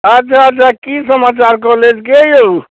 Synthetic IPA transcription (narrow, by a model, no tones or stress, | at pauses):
ət͡ʃʰat͡ʃʰakisəmat͡ʃaɾkɔled͡ʒkejo